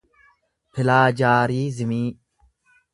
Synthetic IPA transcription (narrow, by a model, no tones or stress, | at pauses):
pʰɪlaːd͡ʒaːɾiːzɪmiː